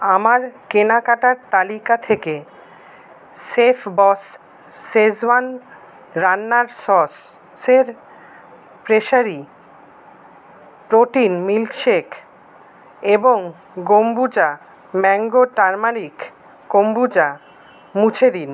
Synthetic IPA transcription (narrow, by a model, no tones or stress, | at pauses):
amaɾkenakaʈaɾt̪alikat̪ʰeke | sefʰbɔsː | ezwan | ɾanːaɾsɔs | seɾ | pɾeʃaɾi | ɾoʈinmilkʃekʰ | eboŋ | ɡombud͡ʑa | mɛŋɡoʈaɾmaɾik | kombud͡ʑa | mut͡ɕʰed̪in